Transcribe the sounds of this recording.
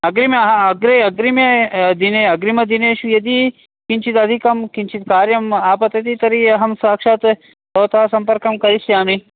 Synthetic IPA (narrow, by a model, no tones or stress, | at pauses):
ɐɡɾimɐɦɐɡɾeɐɡɾimjɐd̪ineɐɡɾimɐd̪ineːʃujɐd̪i | kint͡ʃʰit̪ɐd̪ʱikɐmkint͡ʃʰit̪kaːɾjɐmaːpɐt̪ɐt̪it̪ɐɾiɐɦɐmsaːkʂɐt̪ | t̪oːt̪ʰaːsɐmpɐɾkɐmkɐɾisjaːmi